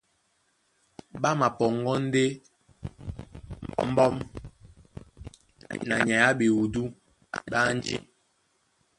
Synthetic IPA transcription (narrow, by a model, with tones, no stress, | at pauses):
ɓa˦ma˨pɔ˨ŋɡɔ˦n̩˦de˦ | m̩˦bɔ˦m | na̰˨ɲa˨ja˦ɓi˨wu˨du˦ | ɓa˦n˦d͡ʒḛ˨